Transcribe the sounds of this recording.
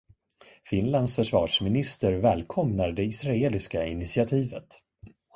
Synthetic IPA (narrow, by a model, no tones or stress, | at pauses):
fɪnland̪sfœʂvɑːʂmɪnɪst̪əɾvɛːlkʰɔmnaɖɛɪsɾaeːlɪskaɪnɪt̪sɪat̪ʰiːvət̪